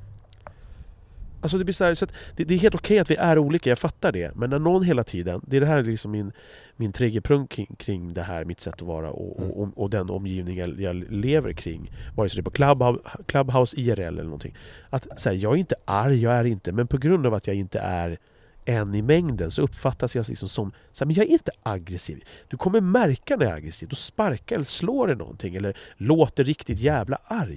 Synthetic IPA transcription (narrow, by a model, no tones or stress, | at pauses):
als̬ɔd̪ɛblɪʂaæːɾsɔat̪d̪̥ɛd̪ɛɾɦeːlt̪ʊkʰɛjat̪vɪʔæɾuːliːkajɑːɡfat̪ːaɖɛ̰mɛnːæɳɔnːɦeːlat̪ʰiːd̪ənd̪ɛæɖɛɦæːɾlɪksɔmːɪn | mɪnt̪ʰɾɛːɡjəpʰɾɵŋt̪kʰːɪŋkʰɾɪŋːd̪ɛɦæːɾmɪt̪sɛt̪ːɔvɑ̰ːɾa̰ʔɔ̰ʔɔ̰ʔɔɔd̪ɛnɔ̰mjiːvnɪŋajɑleːvə̰ɾkʰɾɪ̰ŋːvɑːɾəsɔd̪ɛpʰɔkʰlabkʰlabɦaʊsiæɾɛ̰lːɛ̰lːənɔnt̪ʰɪ̰ŋːat̪sjɑːɡæɾɪnt̪əʔaɾjjɑːɡæɾɪnt̪əmɛnpʰɔɡɾɵnd̪avat̪ʰjɑːɡɪnt̪ə̰ʔæɾ | ɛnːɪmɛŋd̪ənsɔɵpːfat̪ːasjɑslɪ̰ksɔmsɔm | sæmɛnjɑːɡæɾɪnt̪əʔaɡɾɛsḭːvd̪̥ɵkʰɔmːəɾmæɾkanɛa̰ɡɾɛsiːvd̪ɔspaɾkaɾɛlːəʂloːɾɛnɔ̰nt̪ʰɪŋːɛlːəɾloːt̪əɾɾɪkt̪ɪt̪jɛːvla̰ʔaɾj